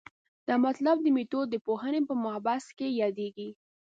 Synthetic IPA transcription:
d̪̥ɑmat̪lab̚d̪əmit̪od̪əpoɦənepəmʊhbaskejɑd̪eɡi

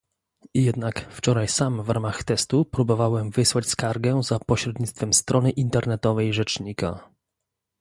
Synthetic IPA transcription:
jɛd̪nakft͡ʂɔɾajsamvɾamaxt̪ɛst̪upɾubɔvawɛmvɘswat͡ɕskaɾɡɛzapɔɕɾɛd̪ɲit̪t̪fɛmst̪ɾʔɔnɘʔint̪ɛɾnɛt̪ɔvɛjʐɛt͡ʂɲika̰

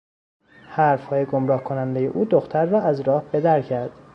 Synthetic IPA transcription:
hæɾfhɒːjeɡomɾɒːhkʰo̞nænd̪eje̞̰ʔuːd̪oxt̪ʰæɾːɒːæzɾɒːhb̥e̞d̪æɾcʰæɾd̪̥

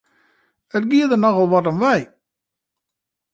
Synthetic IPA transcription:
ətɡiəd̪ənɔɣɔlˠʋɔt̬ɔmʋɛj

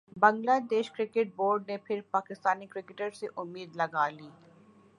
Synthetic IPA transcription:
bɐ̃ŋɡlaːd̪eːʃkɾɪkeʈ̚boːɾɖ̚nepʰɪɾpaːkɪst̪aːnikɾɪkɪʈəɾseʔʊmːiːd̪lɐɡaːliː

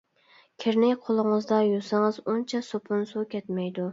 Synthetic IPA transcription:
kʲʰeɾnɪjqʰolˠəŋɨzd̪ɑjosɪŋɨzunt͡ʃʰɛsopʰʊnsukʲɛt̪mɛjd̪u

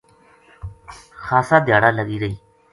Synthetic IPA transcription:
xaːsaːd̪jaːɽaːləɠiːɾəiː

